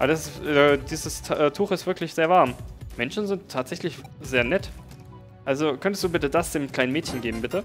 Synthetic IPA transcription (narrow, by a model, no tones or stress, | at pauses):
ʔabɐdasɛdiːzəsʰʔɛtʰuːχɪstv̥ɪɐkʰlɪçz̥eːɐvaɐmmɛnʃn̩zɪntʰːaːtz̥ɛçlɪçz̥eːɐnɛt | ʔalzokʰœntəstd̥uːbɪtədasd̥eːmkl̥aɪnənmɛːtçən̩ɡeːbm̩bɪtə